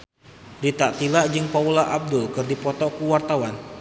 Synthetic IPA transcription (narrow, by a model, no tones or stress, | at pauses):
rit̪aʔt̪ilaʔd͡ʒɨŋpaulaʔab̚dʊlkɨrdipɔt̪ɔkuwart̪awan